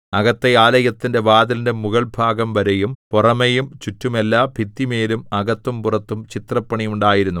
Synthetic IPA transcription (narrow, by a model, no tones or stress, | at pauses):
ɐɣɐt̪ːejaːlɐjɐt̪ːindeʋaːd̪ɐlinde̞muɣɐɭbʱaːɡɐmʋɐɾejumpurɐmejumt͡ɕutːume̞lːaːbʱit̪ːimeːlumɐɣɐt̪ːumpurɐt̪ːumt͡ɕit̪rɐpːɐɳijuɳɖaːjiɾunːu